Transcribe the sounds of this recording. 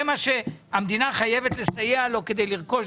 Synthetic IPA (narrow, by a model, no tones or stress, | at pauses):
emaʃeamd̪inaχaje̞vet̪lesajealo̞ked̪e̞jliʁko̞ʃ